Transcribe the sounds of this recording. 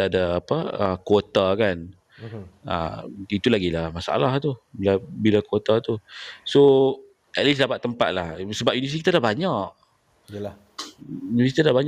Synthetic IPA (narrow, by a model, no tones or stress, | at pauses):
daːpəəkwot̪akan | ə̰it̪ulaɡilahmasaa̰laht̪ubilabilakwot̪at̪uso | ʔɛt̪̚lisdabaʔt̪ːəmpa̰t̪̚lahsəbap̚junivəs̬ikit̪adahbaɲaʔ | univəs̬it̪idahbaɲ